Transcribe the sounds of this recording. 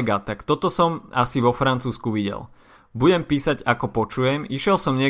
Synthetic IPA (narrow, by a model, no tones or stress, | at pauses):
ɡat̪akt̪ɔt̪ɔsɔma̰siʋɔfɾant͡suːskuʋiɟɛ̰l | buɟɛmpiːsaɟakɔpɔt͡ʃujɛmiʃjɛlsɔmɲɪɛ